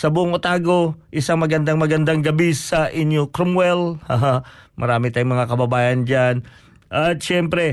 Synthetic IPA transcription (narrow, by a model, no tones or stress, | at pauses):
sabuʊŋot̪aɡoʔisaŋmaɡand̪aŋmaɡand̪aŋɡabisaʔiɲjukɾɔmwɛlhaɦamʔa̰ɾamit̪aiŋmaŋakababajand͡ʒan | ʔat̪t͡ʃɛmpɾɛ